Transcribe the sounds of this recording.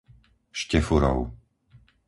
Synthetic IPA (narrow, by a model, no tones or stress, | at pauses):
ʃcɛfuɾɔ̰ʊ